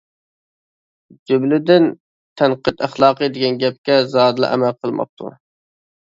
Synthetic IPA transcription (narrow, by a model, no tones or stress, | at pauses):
d͡ʒøblɪd̪ɪn | t̪ʰɛnqət̪æχlˠɑːqəd̪ɪɡʲɛnɡʲɛp̚kʲɛzɑːd̪ɨlˠɨ̰ʔɛ̰mælqʰəlˠmɑ̰q̚t̪ʰṵ